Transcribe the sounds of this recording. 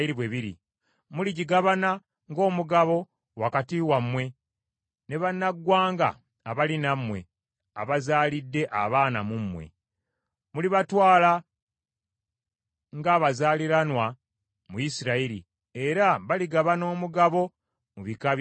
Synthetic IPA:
iɾiβweβiɾḭ | muliɟiɡaβana | ŋɡo̞ːmuɡaβo̞ | wakatiwamwe̞ | ne̞βanːaɡwaːŋɡa̰ː | βalinamwe̞̰ | a̰βazaːlidːe̞ʔa̰βaːna̰mumwe̞̰ | muliβatwaːla | ŋɡaːβazaːliɾanwa | mujisiɾaiɾḭ | e̞ɾaβaliɡaβano̞ːmuɡaβo̞ | muβika

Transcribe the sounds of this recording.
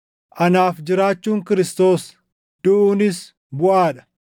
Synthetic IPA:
ʔɐnaːfd͡ʒɪɾaːt͡ʃːuːŋkɪɾɪst̪o̞ːs | d̪̥ʊʔuːnɪs | bʊʔaːᶑɐ̥

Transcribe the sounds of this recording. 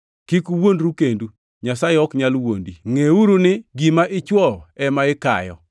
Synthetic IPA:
kikuwondɾukendu | ɲasaɪɔkɲalwondiŋeuɾunɪɡimaʔɪt͡ʃwɔɛmaɪka̰jɔ̰

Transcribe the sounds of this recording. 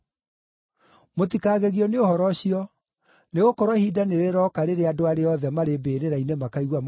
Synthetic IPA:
mot̬ikaːɣeɣiɔneohɔɾɔɕiɔ | neɣokɔɾwɔhidaneɾeɾɔkaɾeɾeadoaɾeɔðɛmaɾebeɾeɾainemakaiɣwam

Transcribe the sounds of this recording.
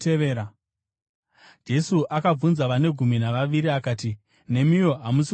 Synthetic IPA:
eʋeːɾa | d͡ʒe̞suʔakab͡vunzaʋane̞ɡʱuminaʋaʋiɾiakaːti | ne̞mijo̞ɦamus

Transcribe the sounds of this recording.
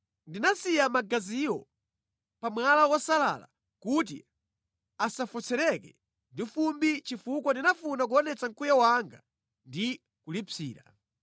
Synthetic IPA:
ndinasijamaɡaziɔ | pamwalawɔsala̰la̰ | kut̬ḭ | asafut͡sʰɛɾɛkɛ | ndifumbit͡ʃifukɔndinafunak̬uɔnɛt͡saŋkujawaŋɡa̰ | ndi | kulipiːɾa

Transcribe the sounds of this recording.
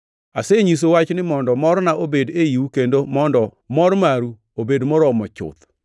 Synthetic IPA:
aseɲis̬owat͡ʃnɪmɔndɔmɔɾnaʔobedejiukendomɔndɔ | mɔɾmaɾu | obedmɔɾɔmɔt͡ʃʊ̰t̪

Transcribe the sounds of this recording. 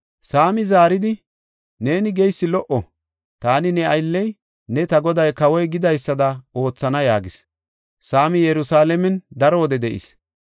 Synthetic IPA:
saːmɪzaːɾɪd̪ɪ | ne̞ːnɪɡɛjsːɪlɔʔɔ | t̪aːnɪnɛɐjlːɛj | nɛt̪ɐɡɔd̪ɐjkɐwɔjɡɪd̪ɐjsːɐd̪ɐo̞ːt͡sːɐnɐjaːɡɪs | saːmɪjɛɾʊsaːlɛmɛnd̪ɐɾowːd̪ɛd̪ɛʔɪ̰s

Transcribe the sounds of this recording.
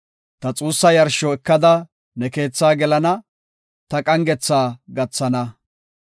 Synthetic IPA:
t̪ɐt͡sʼuːsːɐjɐɾʃɔɛkːɐd̪ɐ | nɛke̞ːt͡sːaːɡɛlɐnɐ | t̪ɐkʼɐŋɡɛt͡sːaːɡɐt͡sːɐnɐ

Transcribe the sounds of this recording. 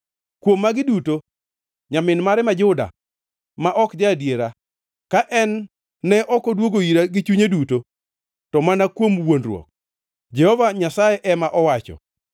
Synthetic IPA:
kwomːaɡɪduto | ɲamɪnmaɾɛmad͡ʒʊda̰ | maʔɔkd͡ʒadjeɾa | kaʔɛnː | ɛʔɔkɔdwoɡoiɾaɡɪt͡ʃuɲeduto | tɔmanakwomwonrwo̰k̚ | d͡ʒɛhɔvaɲasajeʔɛmaʔɔwat͡ʃɔ̰

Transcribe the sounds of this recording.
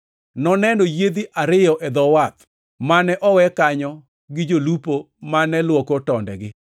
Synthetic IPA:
nɔnɛnojed̪iʔaɾɪjɔʔɛd̪ɔwat̪ | manɛʔɔwɛkaɲɔ | ɡɪd͡ʒolupo | manɛlwokɔtɔndɛ̰ɡɪ

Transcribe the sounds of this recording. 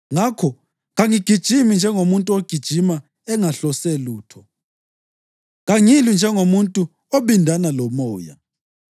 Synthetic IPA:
ŋakʰɔ | ɣaŋiɡ̥ʱid̥ʒ̥ʱimind͡ʒʱɛŋomuntʼuoɡ̥ʱid̥ʒ̥ʱima | ɛŋaɬɔseluːtʰɔ | ɣaŋilind͡ʒʱɛŋomuntʼu | oɓindʱanalɔmɔːja̰

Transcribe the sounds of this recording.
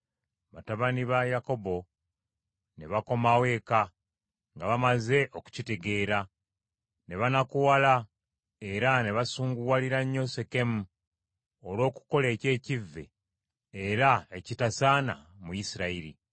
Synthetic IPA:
βataβaniβajako̞bo̞ | ne̞βako̞mawe̞ːka | ŋɡaβamaze̞ʔo̞ku̥cite̞ɡe̞ːɾa | ne̞βanakuwala | e̞ɾane̞βasuːŋɡuwaliɾaɲːo̞se̞ke̞mu | olo̞ːku̥ko̞le̞ːce̞ːcivːe̞̰ː | ɾaecitasana̰mujisiɾaiɾḭ

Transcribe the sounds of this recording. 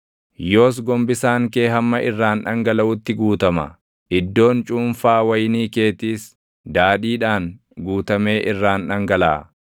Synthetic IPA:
joːs̬ɡɔmbɪsaːŋkeːhɐmːɐʔɪrːaːnᶑɐŋɡɐlɐʔʊt̪ːɪɡuːt̪ɐmɐ̰ | ʔɪd̪ːo̞ːnt͡ʃʼuːnfaːwɐjniːke̞ːt̪iːs | d̪aːᶑiːᶑaːn | ɡuːt̪ɐme̞ːʔɪrːaːnᶑɐŋɡɐla̰ː

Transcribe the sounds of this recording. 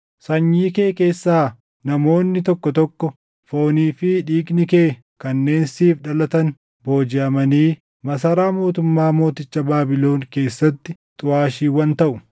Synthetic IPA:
sɐɲːiːkeːke̞ːsːaː | nɐmo̞ːnːɪt̪ɔkːɔt̪ɔkːɔ | fo̞ːniːfɪᶑiːɡnɪkeː | kɐnːe̞ːnsiːfᶑɐlɐt̪ɐn | bo̞ːd͡ʒɪɐmɐniː | mɐs̬ɐɾaːmo̞ːt̪ʊmːaːmo̞ːt̪ɪt͡ʃːɐbaːbɪlo̞ːnke̞ːsːɐt̪ːɪ | t̪ʼʊaːʃiːwɐnt̪ɐʔʊ

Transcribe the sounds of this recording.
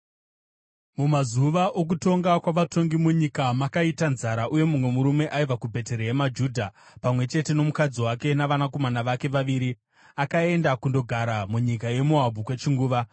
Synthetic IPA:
mumazuʋaʔok̬uto̞ŋɡakwaʋato̞ŋɡimuɲikamakaitanzaɾaʔuje̞mumwe̞muɾume̞ʔaivakubʱe̞teɾejemad͡ʒuːdʱapamwe̞t͡ʃe̞te̞no̞mukad͡ziwake̞naʋanako̞manaʋake̞ʋaʋiːɾi | akae̞ndakundo̞ɡʱaɾamuɲikaje̞muɦabʱukwe̞t͡ʃiŋɡuːʋa

